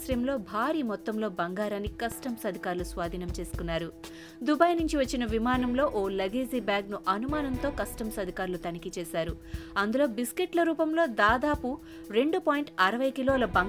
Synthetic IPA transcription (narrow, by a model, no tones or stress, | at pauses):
sɾɐjɐmlo̞ːbʱaːɾiːmɔt̪ːɐmlo̞ːbɐŋɡaːɾɐnikɐsʈɐmsɐd̪ʱikaːɾulusʋaːd̪ʱinɐmt͡ʃe̞ːsu̥kunːaːɾu | d̪ubaːjnuɲt͡ʃiʋɐt͡ʃːinɐʋimaːnɐmlo̞ːʔoːlɐɡiːziːbjaːɡnuʔɐnumaːnɐnt̪o̞ːkɐsʈɐmsɐd̪ʱikaːɾulut̪ɐnikit͡ʃɛːsaːɾu | ɐnd̪ulo̞ːbiskeʈlɐɾuːpɐmlo̞ːd̪aːd̪aːpu | ɾe̞ɳɖupoːjiɳʈɐɾɐʋɐjkiloːlɐbɐŋ